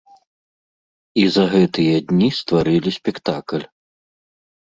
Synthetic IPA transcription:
izɐɣɛt̪ɨjɐd̪ʲnʲist̪vaɾɨlʲisʲpʲɛkt̪aklʲ

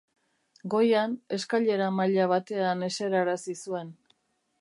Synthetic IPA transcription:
ɡo̞jane̞skaʎe̞ɾamaʎaβ̞at̪e̞ane̞se̞ɾaɾasisue̞n

